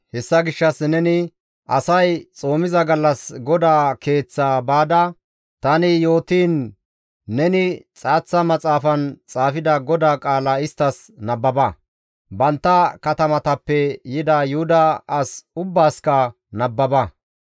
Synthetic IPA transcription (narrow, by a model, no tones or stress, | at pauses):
hɛsːɐɡɪʃːɐsnɛnɪ | ʔɐsɐjt͡sʼo̞ːmɪzɐɡɐlːɐsɡɔd̪aːke̞ːt͡sːaːbaːd̪ɐ | t̪ɐnɪjo̞ːt̪iːnː | ɛnɪt͡sʼaːt͡sːɐmɐt͡sʼaːfɐnt͡sʼaːfɪd̪ɐɡɔd̪aːkʼaːlɐɪst̪ːɐs | nɐbːɐbɐ | bɐnt̪ːɐkɐt̪ɐmɐt̪ɐpːɛjɪd̪aːjʊhʊd̪ɐːsʊbːaːskɐ | nɐbːɐbɐ